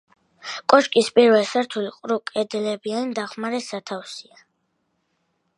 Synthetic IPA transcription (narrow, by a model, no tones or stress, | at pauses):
kʼɔʃkʼispʼiɾvɛlsaɾt̪ʰuliqʼɾukʼɛd̪ɛlɛbiannd̪aχmaɾɛsat̪ʰafsia